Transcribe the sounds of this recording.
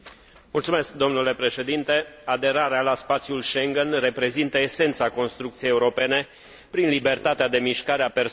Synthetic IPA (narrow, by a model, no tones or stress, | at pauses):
mult̪sume̞sk̚d̪o̞mnule̞pɾe̞ʃe̞d̪int̪e̞ad̪e̞ɾaɾealaspat̪sjulʃe̞ŋɡenre̞pɾe̞zint̪əese̞nt̪sako̞nst̪ɾukt̪sijejeuɾo̞pe̞ne̞ | pɾinlibe̞rt̪at̪ead̪e̞miʃkaɾeaper